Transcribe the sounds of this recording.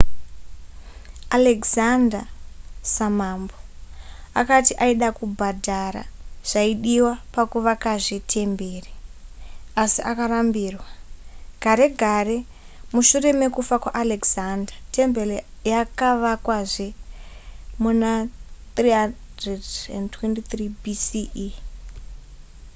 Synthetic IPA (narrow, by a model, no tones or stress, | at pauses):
aleɡzandasamamboa̰katiʔaiɗakubʱadʱaɾa̰ʐ̥aiɗiwapakuʋakaʐitʰe̞mbeːre | asiʔakarambiːrwaɡ̥ʱaɾe̞ɡʱare̞ | muʃure̞me̞kufakwaʔalekzandatʰe̞mbe̞lejakaʋakwaʐe̞ | munat̪riɦa | dredḛndtwentit̪ribisi